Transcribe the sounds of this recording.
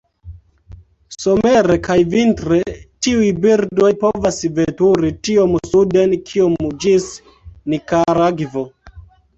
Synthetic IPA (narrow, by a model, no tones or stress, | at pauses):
so̞meɾe̞kajvintɾetiujbiɾdo̞jpo̞vasvetuɾitio̞msude̞nkʰiomd͡ʒis | nikaɾaɡvo